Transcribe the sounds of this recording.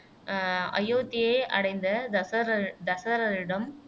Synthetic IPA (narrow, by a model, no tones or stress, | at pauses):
ɐ̰jːoːt̪ːɪjɐɪʔɐ̰ɽɐɪnd̪ɐd̪ɐsɐɾɐd̪ɐsɐɐɾɐɾɪɽɐm